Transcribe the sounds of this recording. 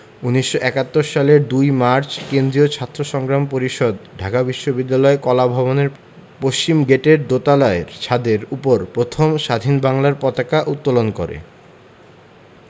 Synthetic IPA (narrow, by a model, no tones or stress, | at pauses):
uniʃːoʔɛkat̪ːoɾʃaleɾd̪ujmaɾt͡ɕkend̪ɾiot͡ɕʰat̪ːɾoʃɔŋɡɾampoɾiʃod̪ɖʱakabiʃːobid̪ːalɔekɔlabʱɔboneɾ | poʃt͡ɕimɡeʈeɾd̪ot̪alaeɾt͡ɕʰad̪eɾupoɾpɾot̪ʰomʃad̪ʱinbaŋlaɾpɔt̪akaʔut̪ːolonko̰ɾḛ